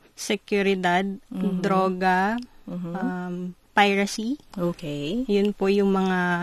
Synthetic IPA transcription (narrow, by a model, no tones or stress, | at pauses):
sɛkjʊɾɪd̪ad̪̚d̪ɾoːɡɐ | ampajɹɐsiʔoːkɛjjʊnpojʊŋmɐŋa